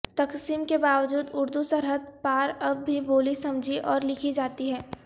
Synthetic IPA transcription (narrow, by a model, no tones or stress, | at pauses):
t̪ɐksiːmkebaːʋd͡ʒuːd̪ʊɾd̪usɐɾɦəd̪̚paːɾɐbːʱiboːlisɐ̃md͡ʒʱiʔɔːɾlɪkʰid͡ʒaːt̪iɦɛː